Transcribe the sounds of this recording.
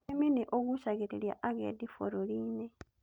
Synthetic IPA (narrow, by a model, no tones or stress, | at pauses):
eminiʔoɡusaɡetelja̰ʔaɡḛdifo̰ɾoliːne